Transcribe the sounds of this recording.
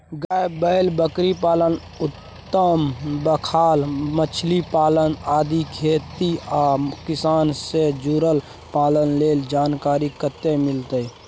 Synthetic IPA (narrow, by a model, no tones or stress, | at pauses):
ɡaebəɪlbəkɾipaːlən | ʊt̪ːəmbəkʰaːlmət͡ʃʰlipaːlənaːd̪ikʰeːt̪iakɪsaːnsed͡ʒuɾəl | paːlənleːld͡ʒaːnkaːɾikət̪ːemɪlt̪əj